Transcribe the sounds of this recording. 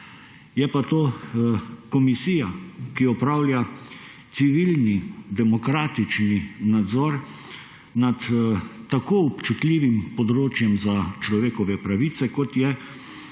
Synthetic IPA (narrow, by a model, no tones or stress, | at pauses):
jɛpat̪oː | kɔmisiːjakiɔpɾaːwlʲja | t̪siʋilnid̪ɛmɔkɾaːt̪it͡ʃninad̪zɔːɾ | nat̪t̪akoːɔpt͡ʃut̪lʲiːʋimpɔd̪ɾoːt͡ʃjɛmzat͡ʃlɔʋeːkɔʋɛpɾaʋiːt̪sɛkɔt̪jɛ